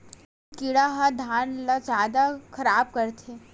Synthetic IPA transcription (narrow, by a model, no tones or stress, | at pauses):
kiɽaɦad̪ʱaːnlazjaːd̪akʰɐɾaːb̚kɐɾt̪ʰeː